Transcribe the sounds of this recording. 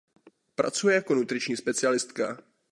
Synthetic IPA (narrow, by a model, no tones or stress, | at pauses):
pɾa̰t͡sujɛjako̞nut̪ɾɪt͡ʃɲiːspɛt͡sɪalɪst̪ka